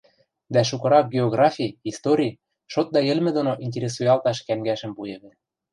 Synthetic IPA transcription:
d̪æʃ̬ukɤ̆ɾɑk̚ɡʲeoɣrɑfʲijist̪oɾʲi | ʃot̪̚d̪ɑjɘ̆lmɘ̆d̪onoʔinʲt̬ʲeɾʲes̬ujɑlt̪ɑʃkæmɡæʃɘ̆mpujĕβɘ̆

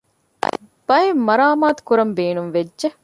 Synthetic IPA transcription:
b̥ɐjemːɐɾaːmaːt̪u̥kuɾɐmbeːnunʋedʒe

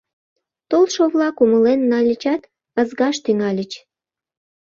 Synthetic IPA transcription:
t̪olʃoβlɑkuməlenːɑlʲət͡ɕɑt̪ | əzɣɑʃt̪yŋɑlʲət͡ɕ

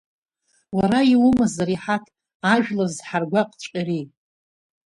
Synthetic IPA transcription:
waɾaiwʊmazaɾiħatʰ | aʒᶣlazħarɡʷaqʼt͡ʃʷʼiri

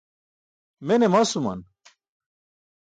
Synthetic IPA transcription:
menemasuma̰n

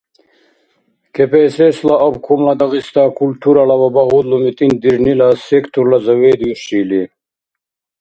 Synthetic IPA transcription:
kepeseslaʔɐbkʰumlɐd̪ɐɣist̪akult̪ʰuɾɐlɐbɐbɐɦud̪lumit̪ind̪iɾnilasekt̪ʰuɾlɐzɐweːd̪juʂiːli

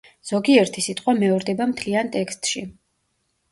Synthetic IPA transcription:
z̥ɔɡiɛɾt̪ʰisit̪ʼqʼwamɛɔɾd̪ɛbamt̪ʰliant̪ʼɛkst̪ʼʃi

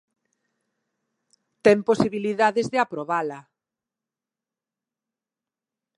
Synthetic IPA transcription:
t̪ɛmposiβiliðaðezðeapɾoβala

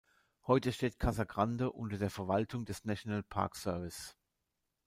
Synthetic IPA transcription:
hɔʏtəʃteːtkʰazaɡʁandəʔʊ̰ntɐdeːɐfɛɐvaltʰʊŋdɛsnaʃjonalpʰa̰ɐksœɐvɪs

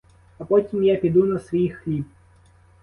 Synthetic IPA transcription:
ɐpɔtʲimjapʲid̪unɐsʋixlʲip̚

